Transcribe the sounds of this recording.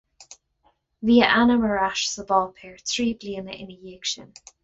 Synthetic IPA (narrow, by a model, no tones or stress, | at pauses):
viːəʔanəməɹaʃsəvɔːlpʰɛːɹθʰɹiːbliənəʔɪ̰nəjiːkʃən